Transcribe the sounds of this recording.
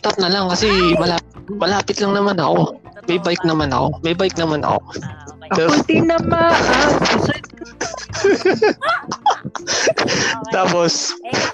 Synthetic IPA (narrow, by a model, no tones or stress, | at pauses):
t̪ɐp̚nɐlaŋkɐsɛmɐlaːpɪmɐlaːpɪt̪lɐŋnɐmanɐko̞ | mɐjbajk̚nɐmanɐ̰ko̞mɐjbajk̚nɐmanɐ̰ko̞̰ | ɛt̪inɐpaʔ | t̪aːpos